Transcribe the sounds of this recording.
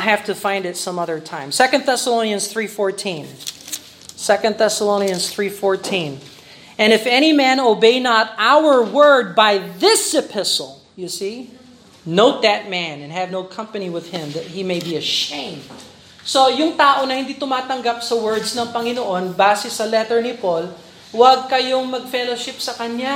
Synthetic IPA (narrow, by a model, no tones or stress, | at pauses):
ɦæft̪ɨfãɪ̃ndɨtsʌ̃mʌðə˞tʰãɪ̃msɛkɨ̃nd̪̚θɛsəlõʊ̃niɨ̃nz̥θɹifɔɹtʰĩn | sɛkɨ̃nd̪̚θɛsəlõʊ̃niɨ̃nz̥θɹifɔɹtʰĩn | ɨ̃nɨfɛɾ̃imæ̃noʊbeɪnəɾaʊwə˞wɜ˞d̚baɪðɪsɨpʰɪsəl̩ˠ | jɨsi | noʊt̪̚ðɐt̪̚mæ̃nɛ̃nɦɛvnoʊkʰɐ̃mpɐniwɪðɪ̃mðɐt̪̚himejbiɐʃẽɪ̃md̪̚ | sojʊŋt̪aːʔonɐhɪ̃nd̪iːt̪ʊmaːt̪ɐŋɡap̚sɐwɜɹd̪snɐŋpɐŋɪnoʔonbaːsɛsɐlɛt̪ɛɹnɪpol | wɐɡ̚kɐjoŋmɐɡ̚fɛloʃɪpsɐkɐɲja